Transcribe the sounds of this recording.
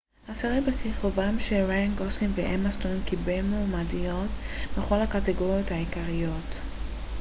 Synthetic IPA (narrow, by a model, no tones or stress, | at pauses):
ʔasaʁebekeχovamʃeʁajanɡoslinveʔamastonkibelmoːmadijo̞tbeχo̞lakateɡoʁjo̞thaikaʁijo̞t